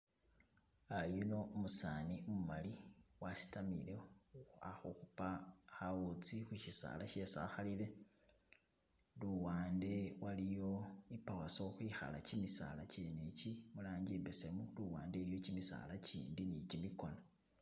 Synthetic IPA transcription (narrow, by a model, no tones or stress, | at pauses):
ajuno̞musaniumumaliwasi̥tamḭleaxuxupaxaut͡sixuʃisa̰ːlaʃe̞sa̰xalile̞ | luwaːnde̞walijo̞ipawaso̞xwiːxa̰la̰cimisa̰lacenecimulaːɲɟiːmbesemuluwaːnde̞iɾijo̞cimisa̰lacḭːndinicimiko̞na